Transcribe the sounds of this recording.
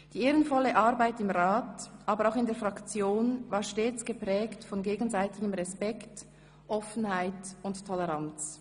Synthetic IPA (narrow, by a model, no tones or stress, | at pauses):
d̥iːeːʁənfɔləʔaʁbaɪtɪmʁaːtʔaːbəʁaʊxɪndeːɐfʁakt͡sjoːnvaːɾʃteːt͡sɡ̥əpʁɛːktfɔnɡeːɡən̩zaɪtɪɡəmʁɛspɛkt | ʔɔfn̩haɪtʊnttʰːɔlɛʁant͡s